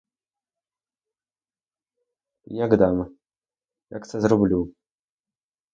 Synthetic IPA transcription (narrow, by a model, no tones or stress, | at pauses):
jaɡd̪amɐ | ja̰ksɐzrɔblʲu